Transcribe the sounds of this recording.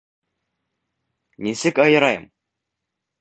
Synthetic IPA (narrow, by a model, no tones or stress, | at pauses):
nisɘkɑjɤ̆ɾɑjɤ̰m